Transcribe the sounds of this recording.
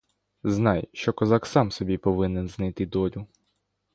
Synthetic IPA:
znɑjʃt͡ʃɔkɔzɑksɑmsɔbʲipɔʋɪnɛnznɐjt̪ɪd̪ɔɾʲʊ

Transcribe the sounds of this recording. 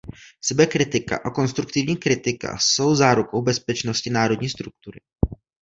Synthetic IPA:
sɛbɛkɾɪt̪ɪka̰ʔako̞nst̪ɾukt̪ɪvɲiːkɾɪt̪ɪka̰so̞wzaːɾuko̞wbɛspɛt͡ʃno̞scɪnaːɾo̞dɲiːst̪ɾuk̚t̪uɾɪ̰

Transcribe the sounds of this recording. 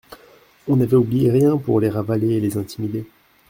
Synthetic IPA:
ɔ̃navɛublijeʁjɛ̃puʁleʁavaleːlezɛ̃t̪imid̪e

